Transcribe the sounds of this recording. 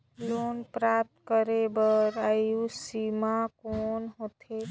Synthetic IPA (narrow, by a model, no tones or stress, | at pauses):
lonpɾap̚t̪kəɾebəɾajusimakonɦot̪ʰe